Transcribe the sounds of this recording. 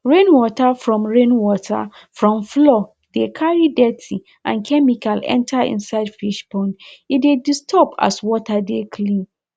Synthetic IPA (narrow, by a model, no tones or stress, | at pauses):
ɹẽnwɔtʰafɹɔ̃mɹẽnwɔtʰa̰ | fɹɔ̃mflɔ | dekʰaɹidɛtʰi | ʔã̰nkʰɛmikʰalɛ̰̃ntʰaḭ̃nsaɪdfiʃpʰɔ̃ndidedistʰɔpʰa̰swɔtʰadekʰlĩn